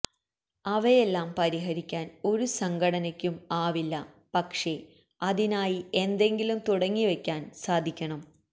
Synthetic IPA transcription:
ɐʋejelːaːmpɐɾiɦɐɾikʲːaːno̞ɾusɐŋɡɐɽɐnɐkʲːumaːʋilːɐ | pɐkʂe̞ | ɐðinaːjie̞nd̪e̞ŋɡilumt̪uɽɐŋːiʋekʲːaːnsaːd̪ʱikʲːɐɳɐm

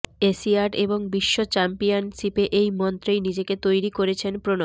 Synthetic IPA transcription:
esiaɖeboŋbiʃːot͡ɕɛmpijanʃipeʔejmɔnt̪ɾejnid͡ʑeket̪ojɾikoɾet͡ɕʰenpɾono

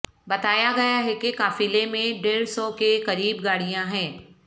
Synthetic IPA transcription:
bɐt̪aːjaɡɐjaɦɛkekaːfilemẽɖeːɾsɔkekɐɾiːbɡaːɽijãɦɛ̃ː

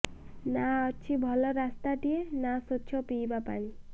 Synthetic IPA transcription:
naɔt͡ʃʰibʱɔlɔɾast̪aʈienasot̪ːt͡ʃʰɔpiːbapa̰ɽ̃i

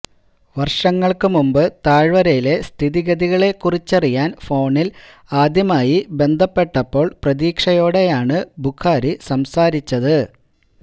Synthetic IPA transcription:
ʋɐrʂɐŋːɐɭkɨmumbɨt̪aːɻʋɐɾɐjile̞st̪ʰiðiɡɐðiɣɐɭe̞kːurit͡ɕːɐrijaːnfo̞ːɳil | aːd̪jɐmaːjibe̞nd̪ʱɐpːe̞ʈːɐpːo̞ːɭprɐðiːkʂɐjo̞ːɽe̞jaːɳɨbukʰːaːɾisɐmsaːɾit͡ɕːɐðɨ

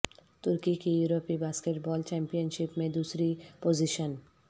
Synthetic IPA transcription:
t̪uɾkikijuɾopibaskeʈbɔːlt͡ɕɛmpijənʃipmẽd̪uːsɾipoziʃən

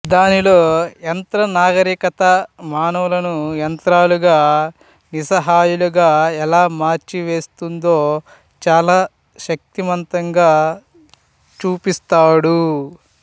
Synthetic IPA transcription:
d̪aːnilo̞ːent̪ɾɐnaːɡɐɾiːkɐt̪ɐmaːnɐʋɐlɐnujɐnt̪ɾaːluɡaː | nisɐɦaːjuluɡaːɛlaːmaːɾt͡ʃiʋeːst̪und̪o̞ː | t͡ʃaːlaː | ʃɐk̚t̪imɐnt̪ɐŋɡaː | t͡ʃuːpist̪aːɽu

